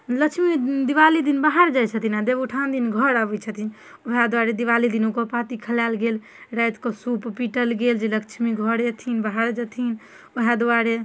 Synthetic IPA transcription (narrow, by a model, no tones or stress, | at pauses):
ləkt͡ʃʰmid̪iʋalid̪inbaɦaɾd͡ʒajt͡ʃʰət̪ʰinad̪ebuʈʰand̪inɡʱəɾabɛt͡ʃʰət̪ʰin | oɦad̪uaɾed̪iʋalid̪inokopat̪ikʰəljalɡel | ɾajt̪kɔsuppiʈəlɡeld͡ʒelək̚t͡ʃʰmiɡʱəɾet̪ʰinbaɦaɾd͡ʒət̪ʰin | oɦad̪aɾe